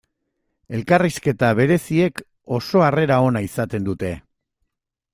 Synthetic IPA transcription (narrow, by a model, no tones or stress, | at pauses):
e̞lkariske̞t̪aβ̞e̞ɾe̞sie̞k | o̞so̞are̞ɾao̞naisat̪e̞nd̪ut̪e̞